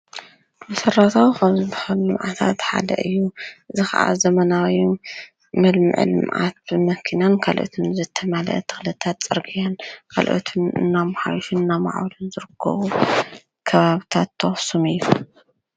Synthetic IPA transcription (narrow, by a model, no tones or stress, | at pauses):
mɐsɐrːat̪ʰawxɐmzɨβaħalɨmʕat̪ʰa̰t̪ħa̰d̪ɐ̰ʔɨjːuʔɨzixɐ̰ʔa̰zɐmɐnawi | mɨlmɨ̰ʕʔɨ̰lɨ̰mʔa̰t̪̚ɨmɐkʰinankʰalʔo̰t̪ʰunzɨt̪ʰɐmalɐ̰ʔt̪ʰɨ̥xlɐt̪ʰat̪t͡sʼɨɾɡijankʰa̰lʔo̰t̪ʰunɨ̰nːamħa̰wʃunɨnːama̰ʕwɐlunzɨɾɨkʰːɐ̰βu | kʰɐβaβit̪ʰat̪ʰːɐwsumɨjːu